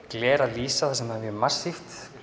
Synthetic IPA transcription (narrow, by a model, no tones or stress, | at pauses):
klɛːɾaliːsaθasɛmavjɛmarsift̪